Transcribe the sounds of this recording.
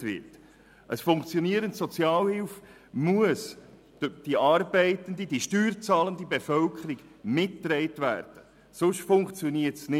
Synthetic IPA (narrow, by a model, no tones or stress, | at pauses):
vɪ̰t | ʔəsfʊŋkt͡sjɔniəɾəntsɔt͡sjɑːlhɪlf | muəs | d̥iʔɑːrbɛɪtəndid̥iʃtyːrt͡sɑːləndibefœlkʰəɾiɡmɪtːɾɛɪtvæ̰ːrd̥ə | sʊʃtfʊŋkt͡sjoniətsnɪ